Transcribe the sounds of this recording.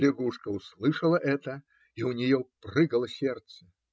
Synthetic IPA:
lʲɪɡuʂkɐwslˠɨʂɐlˠɐʔɛt̪ɐ | iwnʲɛjɔprɨɡɐlˠɐsʲɛrt̪sɐ

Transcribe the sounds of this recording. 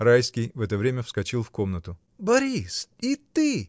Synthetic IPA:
ɾajskʲɪjvɛt̪əvɾʲemʲəfskɐt͡ɕilˠfko̞mnət̪ʊ | bɐɾʲisit̪ɨ

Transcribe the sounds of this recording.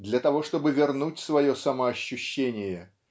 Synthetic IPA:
d̪lʲɐt̪ɐvo̞ʂt̪o̞bɨvʲɪrnutʲsvɐjosɐməɐɕːʊɕːenʲɪjə

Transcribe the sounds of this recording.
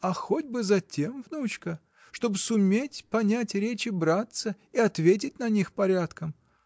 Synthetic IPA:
ɐxodʲbɨzɐtʲe̞mvnut͡ɕkə | ʂt̪o̞bɨsʊmʲetʲpɐnʲætʲɾʲet͡ɕɪbɾat̪sə | iɐt̪vʲet̬ʲɪt̚ʲnɐnʲixpɐɾʲat̪kəm

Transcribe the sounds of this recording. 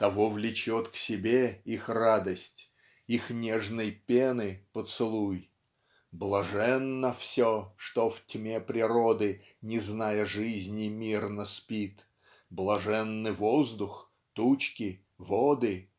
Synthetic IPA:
t̪ɐvovlʲɪt͡ɕot̪ksʲɪbʲeixrad̪əsʲtʲ | ixnʲeʐnəjpʲenɨpət̪sɨlˠuj | blˠɐʐɛnːəfsʲoʂt̪oftʲmʲepɾʲɪɾod̪ɨ | nʲɪznajəʐɨzʲnʲɪmʲirnəspʲit̪ | blˠɐʐɛnːɨvozd̪ʊx | t̪ut͡ɕkʲɪ | vod̪ɨ

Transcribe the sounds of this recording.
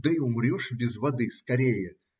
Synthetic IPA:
d̪ɨiʊmɾʲoʂbʲɪzvɐd̪ɨskɐɾʲejə

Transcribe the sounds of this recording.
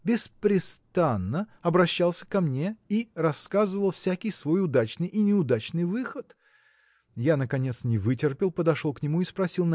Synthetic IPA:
bʲɪspɾʲɪst̪anːəɐbɾɐɕːalˠsʲə̥kɐmnʲe̞irɐskazɨvəlˠfsʲækʲɪjsvo̞jʊd̪at͡ɕnɨjʔinʲɪʊd̪at͡ɕnɨjvɨxət̪ | janəkɐnʲe̞t̪snʲɪvɨtʲɪrpʲɪlˠpəd̪ɐʂolˠknʲɪmuispɾɐsʲilˠn

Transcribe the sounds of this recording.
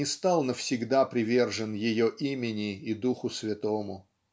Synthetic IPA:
ɪst̪alˠnəfsʲɪɡd̪apɾʲɪvʲe̞rʐɨnjɪjoʔimʲɪnʲɪːd̪uxʊsvʲɪt̪omʊ

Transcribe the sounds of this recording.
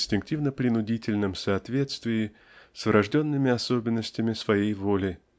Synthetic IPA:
sʲtʲɪŋk̚tʲivnəpɾʲɪnʊdʲitʲɪlʲnɨmsɐɐt̪vʲe̞t̪st̪vʲɪjɪ | svɾʔɐʐdʲo̞nːɨmʲɪɐso̞bʲɪnːəsʲtʲɪmʲɪsvɐjejvo̞lʲɪ

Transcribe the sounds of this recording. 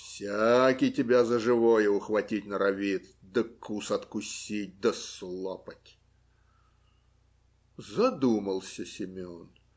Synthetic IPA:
fsʲakʲijtʲɪbʲazəʐɨvojəʊxvɐtʲitʲnəɾɐvʲit̪ | d̪əkusɐt̪kʊsʲit̚ʲd̪əslˠopətʲ | zɐd̪uməlˠsʲəsʲɪmʲon

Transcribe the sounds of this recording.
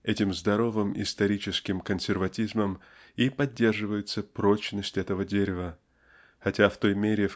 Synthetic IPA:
ɛtʲɪmzd̪ɐɾo̞vɨmɪ̰st̪ɐɾʲit͡ɕɪskʲɪmkənsʲɪrvɐtʲizməm | ipɐdʲːe̞rʐɨvəjɪt̪səpɾo̞t͡ɕnəsʲtʲɛt̪əvədʲeɾʲɪvə | xɐtʲaft̪o̞jmʲeɾʲɪ

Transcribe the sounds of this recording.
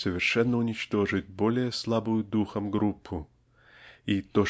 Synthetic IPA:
səvʲɪrʂɛnːəʊnʲɪt͡ɕt̪o̞ʐɨtʲbo̞lʲɪjəslˠabʊjʊd̪uxəmɡɾupʰːʊ | it̪o

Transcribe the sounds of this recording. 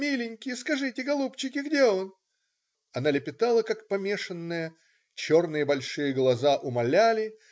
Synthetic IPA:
mʲilʲɪnʲkʲɪjəskɐʐɨtʲɪɡɐlˠupt͡ɕɪkʲɪɡdʲeo̞n | ɐnalʲɪpʲɪt̪alˠəkakpɐmʲe̞ʂɨnːɨjə | t͡ɕo̞rnɨjəbɐlʲʂɨjəɡlˠɐzaʔʊmɐlʲælʲɪ

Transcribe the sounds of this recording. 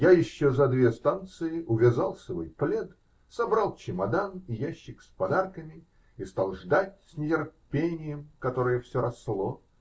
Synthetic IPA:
jajɪɕːozɐd̪vʲest̪ant̪sɨjɪʔʊvʲɪzalˠsvo̰jplʲet̪ | sɐbɾalˠt͡ɕɪmɐd̪anijaɕːɪkspɐd̪arkəmʲɪ | ist̪alˠʐd̪atʲsʲnʲɪtʲɪrpʲenʲɪjəmkɐt̪o̞ɾɨjəfsʲoɾɐsːlˠo

